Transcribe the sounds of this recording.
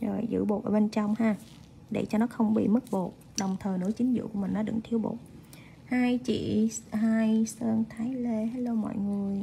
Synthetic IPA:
zo˨˩jzɨ̰˧˥ɓo˨˩t̚ʔəː˧˩ɓe˧nt͡ɕɔ˧wŋ͡mhaː˧ | ɗḛ˧˩t͡ɕɔ˧nɔ˨˦xə˧wŋ͡mɓḭ˧˨mɨ˦˥k̚ɓo˨˩t̚ | ɗə˨˩wŋ͡mt̪ʰəː˨˩jnɨ̰˧˥ət͡ɕï˨˦ŋ̟zɨ̰˧˨kṵ˧˩əmï˨˩ŋ̟nɔ˨˦ɗɨ̰˧˥ŋt̪ʰi˧əwɓo̰˨˩t̚ | haː˧jt͡ɕḭ˧˨ɦaː˧jsəː˧nt̪ʰaː˨˦jle˧haː˧˦jlo˧wmɔ̰˧˨jŋɨ˨˩əj

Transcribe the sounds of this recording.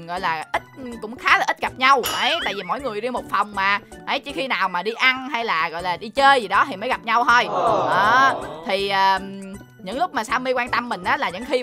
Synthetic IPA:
ɣɔ̰˧˨jlaː˨˩ʔï˦˥t̚kʊ̰˧˥ŋ͡mxaː˨˦laː˨˩ʔi˦˥t̚ɣa˨˩p̚ɲa˧wʔə˨˦jt̪a̰ː˧˨jvi˨˩mo̰˧˥˨jŋɨ˨˩əjzi˧ŋmhʊ˨˩k͡p̚fa˨˩wŋ͡mmaː˨˩ʔə˨˦jt͡ɕɨ˦˧˥kxi˧naː˨˩wmaː˨˩ɗi˧ʔa˧nɦa˧jlaː˨˩ɣɔ̰˧˨jlaː˨˩ɗi˧t͡ɕəː˧jzi˨˩ɗɔ˨˦t̪ʰi˨˩məː˨˦ɣa˨˩p̚ɲa˧wt̪əː˧jʔəː˨˩t̪ʰi˨˩ʔəː˨˩ | ɲɨ̰˧˥ŋlʊ˦˥k͡p̚maː˨˩saː˧wmi˧kwaː˧nt̪ə˧mːï˨˩ŋ̟ʔaː˨˦laː˨˩ɲɨ̰˧˥ŋxi˧

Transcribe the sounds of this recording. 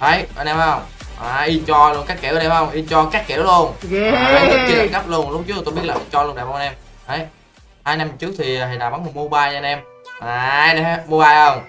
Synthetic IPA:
ʔə˨˦jʔnʔɛ˧ha˧˦ə˧wŋ͡m | ʔaː˨˩ʔi˧ət͡ɕɔ˧lu˧ənkaː˦˥k̚keː˧˩˨ɗi˧ha˦ə˧wŋ͡mʔi˧ət͡ɕɔ˧kaː˦˥k̚ke˧˩˦lu˧ən˨˧˦ | t͡ɕi˧la˨˩ŋkə˦˥p̚lu˧ənlʊ˦˥k͡p̚t͡ɕɨ˦˥t̪ʰːo˧˩ɓət̚laː˨˩ʔi˧˦t͡ɕɔ˧lə˧nɗaː˨˩˨ʔnɛ˧m | ʔə˨˦j | haː˧jna˧m˨˩t͡ɕɨ˦˥ək̚t̪ʰi˨˩˨ɦə˨˩naː˨˩va˨˦nŋʊ˨˩mo˧ɓaː˧ja˧nʔɛ˧m | ʔaː˨˩˨jnə˨˧˩a˦mo˧ɓaː˧jʔə˧˩wŋ͡m

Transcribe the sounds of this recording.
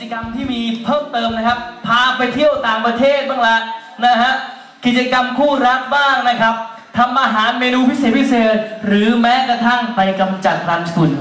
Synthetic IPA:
i˩t͡ɕa˧ka˧mt̪ʰiː˥˩miː˧pʰɤː˥˩mt̪ɤː˧mna˦˥kʰa˦˥p̚pʰːaː˧pa˧jt̪ʰi˥˩əwt̪aː˨˩ŋpɾa˧t̪ʰeː˥˩t̪̚bɯ˥˩ŋla˦˥ʔ | na˦˥ɦʰa˦˥ | ki˨˩t͡ɕa˧ka˧mkʰuː˥˩ɾa˦˥k̚baː˥˩ŋna˦˥kʰa˦˥p̚ | t̪ʰa˧mʔaː˧ɦaː˩˦nmeː˧nuː˧pʰi˦˥seː˨˩t̪̚pʰi˦˥seː˨˩t̪̚ɾɯː˩˦mɛː˦˥kɾa˧t̪ʰa˥˩ŋpa˧jka˧mt͡ɕa˨˩t̪̚ɾa˧˥nkʰu˨˩n

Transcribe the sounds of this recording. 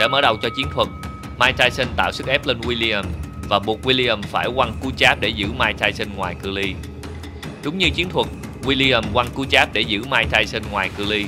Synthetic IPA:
ɗa̰ː˧˥məː˧˩ɗə˨˩wt͡ɕɔ˧t͡ɕi˨˦ənt̪ʰwə˨˩t̚ | maː˧jt̪aː˧jsï˧ŋ̟t̪a̰ː˧˨wsɨ˦˥k̚ʔɛ˦˥p̚li˧ŋwi˧li˧ə˨˩mvaː˨˩ɓu˨˩ət̚wi˧li˧ʔə˨˩mfaː˧˩jkwa˧nku˨˦t͡ɕaː˦˥p̚ɗe˧˩zɨ̰˧˥maː˧jt̪aː˧jsi˧ŋŋwaː˨˩jkɨ˧li˧ | ɗʊ˨˦wŋ͡mɲɨ˧t͡ɕi˨˦ənt̪ʰwə˨˩t̚ | wi˧li˧ə˨˩mkwa˧nku˨˦t͡ɕaː˦˥p̚ɗe˧˩zɨ̰˧˩maː˧jt̪aː˧jsï˧ŋŋwaː˨˩jkɨ˧li˧

